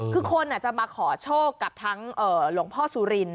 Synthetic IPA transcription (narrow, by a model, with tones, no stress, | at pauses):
kʰɯː˧kʰo˧nʔaː˨˩t̚t͡ɕa˨˩maː˧kʰɔː˩˦t͡ɕʰoː˥˩kːa˨˩p̚t̪ʰa˦˥ŋʔɤː˨˩lu˩˦ŋpʰɔː˥˩suː˨˧˦ɾi˧n